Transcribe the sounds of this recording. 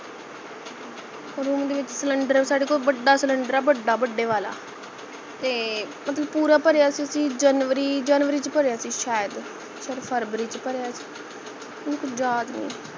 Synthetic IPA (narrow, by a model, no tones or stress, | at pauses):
ɾuːmd̪eːʋɪt͡ʃsələɳɖəɾsaːɽeːkoːlbəɖːaːsələɳɖəɾaːbəɖːaːbəɖːeːʋaːla̰ː | t̪eːmət̪ləb̚puːɾaːpəɾeaːsiːəsĩːd͡ʒənʋəɾiːd͡ʒaːnʋəɾiːt͡ʃpəɾeaːsiːʃaːjəd̪ | ʃaːd̪pʰəɾbɾiːt͡ʃpəɾeaːsi̥ː | ʊnːkʊt͡ʃʰzaːd̪nḭː